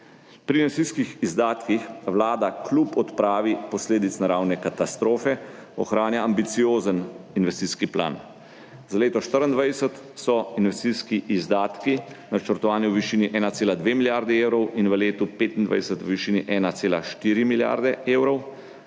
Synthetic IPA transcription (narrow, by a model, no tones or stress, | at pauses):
pɾiːnʋɛst̪iːskixizd̪aːt̪kixwlaːd̪aklupɔt̪pɾaːʋipɔsleːd̪it̪snaɾawnɛkat̪ast̪ɾoːfɛɔxɾaːnjaːmbit̪sijoːzəninʋɛst̪iskipla̰ːn | zaleːt̪ɔʃt̪əɾənd̪ʋajsət̪ | sɔinʋɛst̪iskiʔizd̪aːt̪kinat͡ʃəɾt̪ɔʋaːniwʋiʃiːniʔɛːnat̪seːlad̪ʋeːmiljaɾd̪ɛeːwɾɔwinʋəleːt̪upeːt̪ind̪ʋa̰jsət̪ʋiʃiːniʔɛːnat̪seːla̰ʃt̪iːɾimilja̰ːɾd̪ɛeːwɾɔw